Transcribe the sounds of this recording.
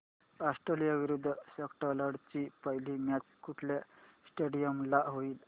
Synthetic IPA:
asʈɾelijaʋiɾud̪ʱːəsəkʈalaɽt͡ɕipaɦilimjat͡skuʈʰlasʈeɽijəmlaɦoiːl

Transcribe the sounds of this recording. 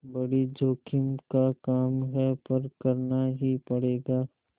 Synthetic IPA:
bɐɽid͡ʒoːkʰɪmkakaːmɦɛpɐɾkɐɾnaɦipɐɽeːɡaː

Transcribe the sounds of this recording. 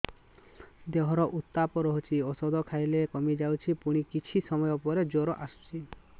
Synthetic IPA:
d̪eɦɔɾɔʔut̪ːapɔɾɔɦɔt͡ʃʰiɔsɔd̪ʱɔkʰajlekɔmid͡ʒawt͡ʃʰipuɽ̃ikit͡ʃʰisɔmɔjɔpɔɾed͡ʒoɾɔʔast͡ʃʰi

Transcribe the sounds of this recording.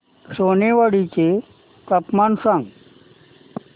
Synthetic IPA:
ʂoneʋəɽit͡ɕe | t̪əpmansaŋɡ

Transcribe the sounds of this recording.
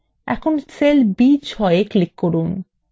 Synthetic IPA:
ɛ̰kʰonsʰelbit͡ɕɦɔeeklikːoɾun

